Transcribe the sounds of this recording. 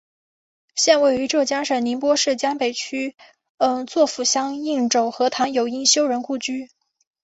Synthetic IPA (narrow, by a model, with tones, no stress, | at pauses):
ɕjɛ˥˧nwe˥˩ɪy˧˥ʈ͡ʂɤ˥˩t͡ɕjɑ˥ŋʂə˨˩ni˧˥npwɔ˥ʂɻ̩˥˩t͡ɕjɑ˥ŋpe˨˩ɪt͡ɕʰy˥ | ə˧˩ŋt͡swɔ˥˩fu˨˩ɕjɑ˥ŋi˥˩ŋʈ͡ʂo˨˩ʊxɤ˧˥t̪ʰa˧˥njo˨˩ʊi˥ŋɕjo˥ʊɻə˧˥nku˥˩t͡ɕy˥